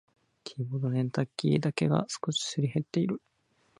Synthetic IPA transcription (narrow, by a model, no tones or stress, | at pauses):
kʲʰiːbod̪oɾẽ̞nt̪akʲːḭd̪ake̞ɡa̰sɨ̥ko̞ɕi̥sɨɾʲihe̞t̪ːe̞iɾɯ̟